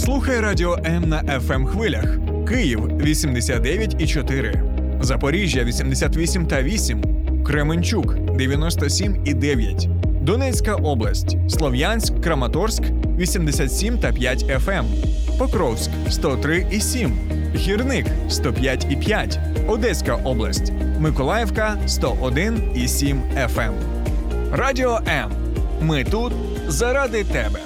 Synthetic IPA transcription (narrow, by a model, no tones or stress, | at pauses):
slˠuxɐjɛɾadʲiɔʔɛmnɐʔɛfɛmxʋɪlʲɐx | kɪjiw | ʋʲisʲimd̪esʲat̪̚d̪ɛʋʲjɐtʲit͡ʃɔt̪ɪɾɪ̰ | zɐpɔɾʲiʒʲjɐʋʲisʲimd̪esʲat̪ʋʲisʲimt̪ɐʋʲisʲim | kɾemɪnʲt͡ʃuk | d̪eʋʲjɐnɔst̪ɔsʲimid̪ɛʋʲjɐtʲ | d̪ɔnɛt͡sʲkɐʔɔblˠɐsʲtʲ | slˠɔʋjanʲsʲkːɾɐmɐt̪ɔrsk | ʋʲisʲimd̪esʲat̪sʲimt̪ɐpʲjatʲɛfɛm | pɔkɾɔwskst̪ɔt̪ɾɪʔisʲim | ɦʲirnɪk | st̪ɔpʲjatʲipʲjatʲ | ɔd̪ɛsʲkɐʔɔblˠɐsʲtʲ | mɪkɔlˠɑjɛwkɐ | st̪ɔʔɔd̪ɪnisʲim | ɛfɛm | radʲiɔʔɛmː | ɪt̪ut̪ | zɐɾɑd̪ɪt̪ɛbɛ